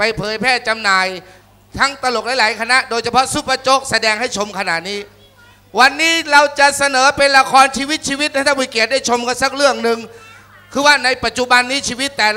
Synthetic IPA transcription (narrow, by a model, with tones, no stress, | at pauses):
pa˧jpʰɤː˨˦jpʰɛː˥˩t͡ɕa˧mnaː˧j | t̪ʰa˦˥˩ŋt̪a˧lo˨˩k̚laː˨˥jlaː˩˦jkʰa˧na˦˥ʔdoː˧jt͡ɕʰa˧pʰɔ˦˥ʔsu˦˥pːa˧t͡ɕo˦˥k̚sa˧dɛː˧ŋha˥˩jt͡ɕʰo˧mkʰa˧na˨˩t̪̚niː˦˥ | wa˧nːiː˦˥ɾa˧wt͡ɕa˨˩sa˧nɤː˩˦pe˧nla˧kʰɔː˧nt͡ɕʰiː˧wi˦˥t̪̚t͡ɕʰiː˧wi˦˥a˥˩t̪ʰa˥˩miː˧˦ki˨˩t̪̚da˥˩jt͡ɕʰo˧mka˧nsa˦˥k̚ɾɯ˥˩əŋnɯ˧ŋ | kʰɯː˧waː˥˩na˧jpa˨˩t̪̚t͡ɕu˨˩ba˧nːiː˦˥t͡ɕʰiː˧wi˦˥t̪ːɛː˨˩